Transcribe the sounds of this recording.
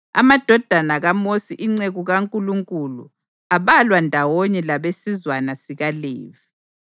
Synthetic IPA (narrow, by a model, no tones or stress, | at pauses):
a̰mad̥ʱɔd̥ʱanaɣamosiʔiŋ͡ǀeɣuɣaŋkʼuluŋkʼulṵ | aβalwandʱawɔɲɛlaβesizwanasiɣaleːvi